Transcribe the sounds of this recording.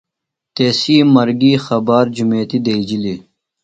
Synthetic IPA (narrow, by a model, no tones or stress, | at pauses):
t̪eːsiːmɐɾɡiːxɐbaːɾd͡ʑumeːt̪id̪ed͡ʑili